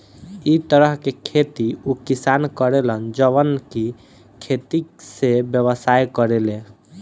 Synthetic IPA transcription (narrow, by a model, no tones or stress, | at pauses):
it̪əɾəɦkekʰet̪iukisankəɾelənd͡ʒəβənki | kʰet̪isebjəβəsajkəɾele